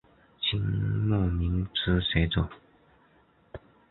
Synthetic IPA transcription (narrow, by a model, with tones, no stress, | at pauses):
t͡ɕʰi˧˥ŋmu˥˩mi˧˥ŋt͡sʰɹ̩˥se˧˥ɪt͡so˨˩˦